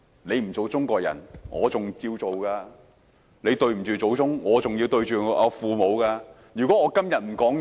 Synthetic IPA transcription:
ne˨˧jm̩˨˩t͡so˨˧wt͡sʊ˥ŋkʷɔː˧k̚jɐ̰˨˩nŋʔɔ̰ː˨˧t͡sʊ˨ŋt͡siː˧wt͡so˨wkaː˧ | ne˨˧jt̪ɵ˧ɥm̩˨˩t͡ʃyː˨t͡so˨˧wt͡sʊ˥ŋŋɔː˨˧t͡sʊ˨ŋji˧wt̪ɵ˧ɥt͡ʃyː˨˩ɐ˨˧fuː˨˧mo˨˧wkaː˧ | jyː˨kɔː˨˥ŋɔː˨˧kɐ˥mjɐ˨t̚m̩˨˩kɔː˨˥ŋ

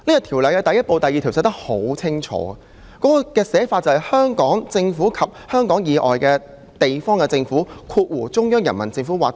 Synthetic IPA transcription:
niː˥jɐ˧˩t̪ʰiː˨˩wlɐ˨jkɛ˧t̪ɐ˨jɐ˥t̚po˨˧wt̪ɐ˨jːi˨t̪ʰi˨˩wsɛː˨˧t̪ɐ˥k̚ho˨˥wt͡sʰɪ˥ŋt͡ʃʰɔ̰ː˨˥ɐ˨ | kɔː˨˥kɔ˧kɛː˧sɛː˨˥faː˧t̚t͡sɐ˨˧whɐ˨jhœː˥ŋkɔː˨˥ŋt͡sɪ˧ŋfuː˨˥kʰɐ˨p̚hœː˥ŋkɔː˨˥ŋjiː˨˧ʔɔ̰ː˨jkɛː˧ | t̪e˨jfɔː˥ŋkɛ˧t͡sɪ˧ŋfuː˨˥kʰuː˧t̚wuː˨˩t͡sʊ˥ŋjœː˥ŋjɐ˨˩nmɐ˨˩nt͡sɪ˧ŋfuː˨˥waː˨k̚

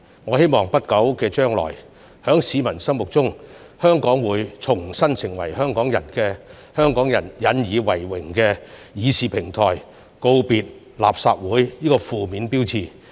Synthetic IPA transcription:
ŋɔː˨˧he˥jmɔː˨˩ŋpɐ˥t̚kɐ˨˥wkɛː˧t͡ʃœː˥ŋlɔ̰ː˨˩j | hœː˨˥ŋsiː˨˧mɐ˨˩nsɐ˥mwʊ˨k̚t͡sʊ˥ŋ | hœː˥ŋkɔː˨˥ŋwuː˨˧jt͡sʰʊ˨˩ŋsɐ˥nsɪ˨˩ŋwɐ̰˨˩jhœː˥ŋkɔː˨˥ŋjɐ˨˩nkɛː˧ | hœː˥ŋkɔː˨˥ŋjɐ˨˩njɐ˨˧njiː˨˧wɐ˨˩jwɪ˨˩ŋkɛ˧jiː˨˧siː˨˧pʰɪ˨˩ŋt̪ʰɔ̰ː˨˩j | ko˧wpiː˨˧t̚ | la̰ː˨˩p̚sa̰ː˧t̚wuː˨˥jjiː˥kɔː˧fuː˨miː˨˧npiː˥wt͡sʰiː˧˩

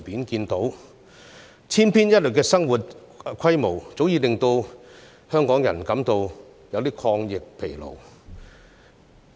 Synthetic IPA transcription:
piː˨˥nkiː˧nt̪o˨˥w | t͡sʰiː˥npʰiː˥njɐ˥t̚lɵ˨kːɛː˧sɐ˥ŋwuː˨t̚ | kʰɐ˥jmo˨˩wt͡so˨˥wjiː˨˧lɪ˨ŋt̪o˧w | hœː˥ŋkɔː˨˥ŋjɐ̰˨˩nkɐ˨˧˥mt̪o˧w | jɐ˨˧wt̪iː˥kʰɔː˧ŋjɪ˨k̚pʰe˨˩jlo̰˨˩w

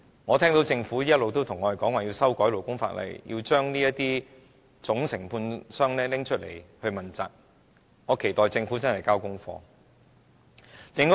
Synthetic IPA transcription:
ŋɔː˨˧t̪ʰɛː˥ŋt̪o˨˥wt͡sɪ˧ŋfuː˨˥jiː˥ɐ˥t̚lo˨wt̪o˥wt̪ʰʊ˨˩ŋːɔː˨˧e˨jkɔː˨˥ŋwaː˨˩jiː˧wsɐ˥wkɔː˨˥jlo˨˩wkʊ˥ŋfa̰ː˧t̚lɐ̰˨jjḭ˧wt͡ʃœː˥ŋniː˥jɐ˥t̪iː˥ | t͡sʊ˨˥ŋsɪ˨˩ŋpʰuː˧nsœː˥ŋlɛː˥lɪ˥ŋt͡ʃʰɵ˥t̚le˨˩jhɵ˧ɥmɐ˨˩nt͡sa̰ː˨k̚ | ŋɔː˨˧kʰe˨˩jt̪ɔː˨jt͡sɪ˧ŋfuː˨˥t͡sɐ˥nhɐ˨˩jkaː˥wkʊ˥ŋfɔ̰ː˧ | lɪ˨˧ŋ

